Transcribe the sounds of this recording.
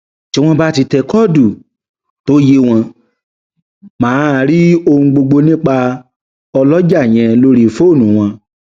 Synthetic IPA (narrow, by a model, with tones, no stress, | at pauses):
ti˦w̃ɔ̃˧ba˦ti˧tɛ˧kɔ˦˨du˨ | to˦je˧w̃ɔ̃˧ | mãː˦˧˨ɾi˦o˧hũ˧ɡ͡bo˧ɡ͡bo˧nĩ˦k͡pa˧ | ɔ˧lɔ˦d͡ʒa˦˨j̃ɛ̃˧lo˦ɾi˦˨fo˦˨nũ˨˦w̃ɔ̃˧